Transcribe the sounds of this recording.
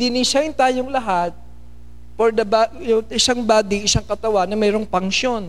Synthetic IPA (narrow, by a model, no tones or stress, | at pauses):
d̪ɪniʃant̪aːjoŋlɐɦat̪̚ | poɾd̪ɐba | jʊŋɪsaŋbaːd̪iɪsaŋkɐt̪ɐwanːɐmɛːɾo̞ŋpɐŋʃo̞n